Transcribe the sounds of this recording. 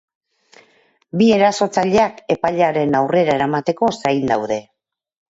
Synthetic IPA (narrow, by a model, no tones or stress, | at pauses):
bie̞ɾaso̞t͡saʎe̞ake̞paʎaɾe̞nawre̞ɾaeɾamat̪e̞ko̞sajnd̪awðe̞